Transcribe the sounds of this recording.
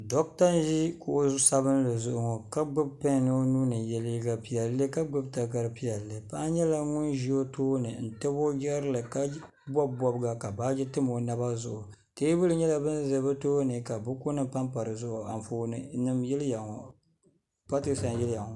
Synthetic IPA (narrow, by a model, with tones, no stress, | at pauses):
dɔ˦k̚ta˦n˦ʒi˦ko˨ʔo˦sa˦bɨ˦n˦lɨ˨zʊ˦ʔʊ˨ŋɔ˨ka˦ɡ͡bʊ˦b̚pa˦˨nɨ˦nuː˦nɨ˨jɛ˦li˦ɡa˨pi˦ja˨˦lːɨ˦ka˦ɡ͡bʊ˦bta˨ka˨ɾɨ˨pi˦a˨lːɨ˨pa˦ɲɛ˦la˨ŋʊ˦nʒi˦o˦toː˦nɨ˨n̩˨tɛ˦bo˦ɡɛ˦ɾɨ˦lɨ˨ka˦ | bɔ˦bbɔ˦bɡa˨ka˨ba˦d͡ʒɛ˦tɨ˦mo˨na˦ba˦zʊ˦ʔʊ˨ | te˦bɨ˦lɨ˨ɲɛ˦la˨bɨ˦nzɨ˨bɨ˦toː˦nɨ˨ka˨bʊ˦ko˦nɨ˦pa˦mpa˨ɾɨ˨zʊ˦ʔʊ˨a˨m˨foː˦nɨ˨nɨ˦mjɛ˦lja˨ŋo˨ | pa˦ti˦sa˨njɛ˦la˨ŋɔ˨